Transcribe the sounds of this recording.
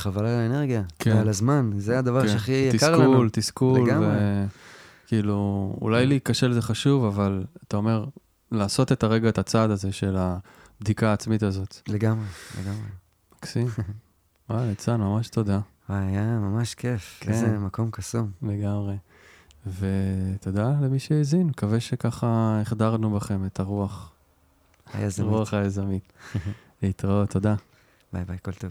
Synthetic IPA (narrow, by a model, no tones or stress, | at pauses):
χavalalaene̞ʁɡijakʰealazmanzeajad̪avaʁʃeaχijatikaʁkult̪iskulmvee | kiːluṵlajliːkaʃeleze̞χaʃuvavalat̪ao̞me̞ʁ | laːso̞t̪e̞t̪aʁe̞ɡaet̪at͡sad̪aze̞ʃe̞la | bd̪ikaːt͡smit̪azo̞t̪le̞ɡamʁelḛɡamʁe | maksi | walet͡sadmamaʃto̞d̪a | waajamamaʃkefeezemako̞mkasumle̞ɡamʁe̞ | ve̞t̪od̪ale̞miʃeezinmkaveʃe̞kaχaeχd̪aʁnubaχe̞me̞t̪ʰaʁuaχ | jazʁuaχajazamit | leit̪ʁaot̪ːo̞d̪a | bajbajkolt̪ov